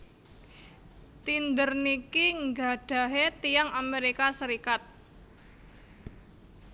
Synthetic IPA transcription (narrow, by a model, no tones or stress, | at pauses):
t̪ind̪ərnikiŋɡaɖ̥a̤ɦet̪ijaŋameɾikasəɾikat̪̚